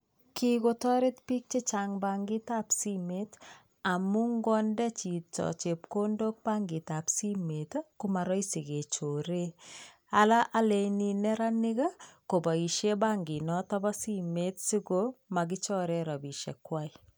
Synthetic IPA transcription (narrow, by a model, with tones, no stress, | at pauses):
ki˦ko˨tɔ˦ɾe˦tpi˦k̚t͡ʃe˦t͡ʃaŋba˨ŋɡi˦ta˦psi˦met | a˨mu˦ŋɡɔ˦ndɛ˦t͡ʃi˨tt͡ʃɔ̰˨t͡ʃe˨p̚ko˦ndo˦k̚ba˦ŋɡɪ˨ta˨psi˦me˨tku˦ma˨ɾɔ˦jsi˨ɡe˨t͡ʃo˨ɾe˦ | a˦la˦ʔa˦le˦ninɛ˦ɾa˦ni˦ɡa˦ko˨ba˨i˨ʃe˦ba˦ŋɡi˨nɔ˦tɔ˦bɔ˦si˦metsi˦koma˨ɡɪ˦t͡ʃɔ˦ɾɛ˦ɾa˨bi˨ʃḛ˨kːwa˦j